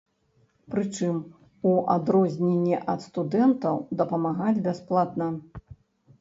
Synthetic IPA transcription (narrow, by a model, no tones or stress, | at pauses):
pɾɨt͡ʂɨm | uʔad̪ɾɔzʲnʲenʲːɛʔɐt̪st̪ud̪ɛnt̪ɐwd̪ɐpɐmaɣad͡zʲbʲasplˠat̪nɐ